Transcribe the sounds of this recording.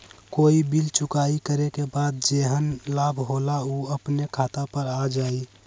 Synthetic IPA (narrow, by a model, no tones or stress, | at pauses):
koːibilt͡ʃʊkaːikəɾekebaːd̪̚d͡ʒeːɦənlaːbʱɦoːlauːəpnekʰaːt̪apəɾad͡ʒaːi